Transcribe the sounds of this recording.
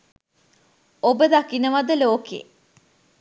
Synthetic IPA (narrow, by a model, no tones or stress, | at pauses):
obəd̪akinəʋɐd̪əloːkḛː